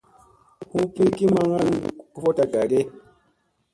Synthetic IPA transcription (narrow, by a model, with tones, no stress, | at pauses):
hũ˦pi˦ki˦ma˦ŋa˦nku˦fo˦ta˨ɡa˨ɾe˦